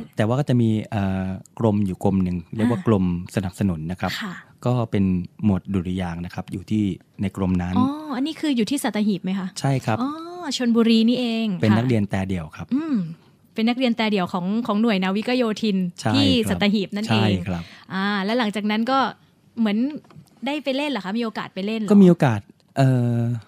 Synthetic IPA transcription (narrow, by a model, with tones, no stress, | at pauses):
t̪ɛː˨˩waː˥˩kɔ˥˩t͡ɕa˨˩miː˧ʔəː˨˩kɾo˧mjuː˨˩ko˧mnɯ˨˧ŋɾi˥˩əkwa˥˩klo˧msa˧na˨˩p̚sa˧nu˨˩˦nːa˦˥kʰɾa˦˥p̚ʰa˥˩kɔː˥˩pe˧nmu˨˩ət̪̚du˨˩ɾi˧jaː˧ŋna˦˥kʰa˦˥p̚juː˨˩t̪ʰiː˥˩ | na˧jkɾo˧mna˦˥nɔː˧˦ʔa˧nːi˦˥kʰɯː˧juː˨˩t̪ʰiː˥˩sa˨˩t̪ːa˧ɦiː˨˩p̚ma˦˥jkʰa˦˥t͡ɕʰa˥˩jkʰɾa˦˥pʔɔː˧t͡ɕʰo˧nbuː˧ɾiː˧niː˥˩ʔeː˧ŋpe˧nnːa˦˥k̚ɾi˧ənt̪ɛː˧di˨˩əwkʰɾa˦˥p̚ʔɯː˧m | pe˧nːa˦˥k̚ɾi˧ənt̪ɛː˧di˨˩əwkʰɔː˩˦ŋkʰɔː˩˦ŋnu˨˩əjna˦˥wi˦˥ka˧joː˧t̪ʰi˧nt͡ɕʰa˥iː˩˥˩sa˨˩˦a˧ɦiː˨˩p̚na˥˩t͡ɕʰaeː˥˩jkʰɾa˦˥p̚ʔaː˧lɛ˦˥la˩˦ŋt͡ɕaː˨˩k̚na˦˥nkɔː˥˩ | mɯ˩˦ən | daː˥˩jpa˧jle˥˩nla˨˩kʰa˦˥miː˧ʔoː˧kaː˨˩t̪̚pa˧jle˥˩nlkɔ˥˩miː˧ʔoː˧kaː˨˩t̪̚ | ʔɤː˨˩